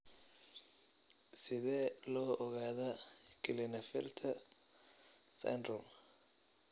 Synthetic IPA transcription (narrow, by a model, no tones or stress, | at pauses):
sɪðɛːlɔːʔɔɣaːðɐkʰɪlɪnɐfɛ̰lt̪ʰɐ | sɐ̰jnd̪ɾɔm